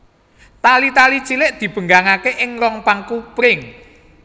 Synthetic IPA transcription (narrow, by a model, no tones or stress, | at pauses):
t̪alit̪ali̥t͡ʃilɪʔd̪̥i̤b̥ə̤ŋɡaŋakeʔɪŋɾɔŋpaŋkupɾɪŋ